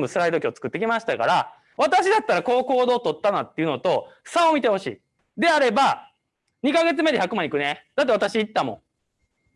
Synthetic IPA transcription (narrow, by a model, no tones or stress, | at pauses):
bɯsɨɾaid̪o̞kʲio̞t͡sɨ̥kɯ̟t̪ːe̞kʲimaɕi̥t̪aka̰ɾa | βat̪aɕid̪at̪ːaɾako̞ːko̞ːd̪o̞ːt̪o̞t̪ːanat̪ːe̞iɯ̟no̞t̪o̞̥saomʲit̪e̞ho̞ɕḭː | d̪e̞aɾe̞ba | ɲ̟ikaɡe̞t͡sɨme̞d̪eçakɯ̟mãɲ̃ikɯ̟ned̪̥at̪ːe̞at̪aɕiːt̪ːamõŋ